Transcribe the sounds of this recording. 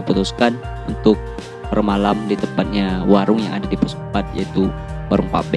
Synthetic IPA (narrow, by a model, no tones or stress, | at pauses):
put̪uskan | unt̪ʊk̚ | pərmalamdit̪əmpat̪̚ɲawaɾʊŋjaŋadadipɔspat̪̚ja̰it̪uwaɾaŋpa̰bɛ